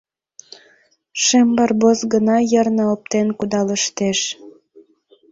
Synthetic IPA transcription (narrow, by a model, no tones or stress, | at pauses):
ʃembɑrbosɣənɑjərnə̆op̚t̪enkud̪ɑləʃt̪eʃ